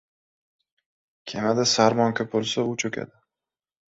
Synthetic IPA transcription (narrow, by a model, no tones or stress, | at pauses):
kʲʰemad̪asaɾmɒŋkʲʰɵp̚bolˠsaʊt͡ʃʰɵkʲa̰d̪ɪ